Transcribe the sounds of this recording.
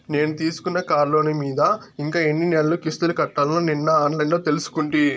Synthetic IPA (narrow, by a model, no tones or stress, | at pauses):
ne̞ːnut̪iːsu̥kunːɐkaːɾlo̞ːnimiːd̪ɐ | iŋkaːe̞nːinelɐlukist̪ulukɐʈːaːlɐnoːninːɐaːnlɐjnloːt̪e̞lusu̥kuɳʈi